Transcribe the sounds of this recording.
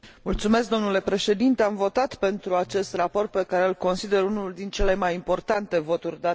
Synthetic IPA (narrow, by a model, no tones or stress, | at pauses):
mult̪sume̞s̬k̚d̪o̞mnule̞pɾe̞ʃe̞d̪int̪e̞amvo̞t̪at̪pe̞nt̪ɾuat͡ʃe̞st̪rapo̞rt̪̚pe̞kaɾe̞əlko̞nsid̪e̞ɾunuld̪int͡ʃe̞le̞majimpo̞rt̪ant̪e̞vo̞t̪urʲd̪a